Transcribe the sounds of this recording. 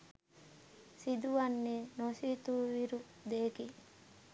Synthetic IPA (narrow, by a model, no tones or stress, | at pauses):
sid̪uʋɐnːenosit̪uːʋiɾu | d̪eːki